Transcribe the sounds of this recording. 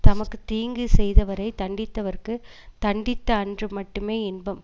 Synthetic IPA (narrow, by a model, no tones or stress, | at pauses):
t̪ɐmɐkːɯt̪iːŋɡɯsɛjðɐʋɐɾɐɪt̪ɐɳɖɪt̪ːɐʋɐɾkːɯt̪ɐɳɖɪt̪ːɐːndrɯmɐʈːɯmeːɪnbɐm